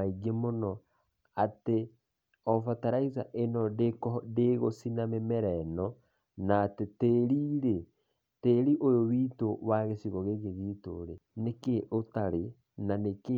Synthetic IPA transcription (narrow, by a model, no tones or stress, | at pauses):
aiɡemonɔ | ate | ɔfataɾaizaʔenɔdekɔdeɣosinamemɛɾɛnɔ | naːteteɾiɾe | teɾiʔojowitowaɣesiɣɔɣeɣeɣito̰ɾenekeʔotaɾe | naneke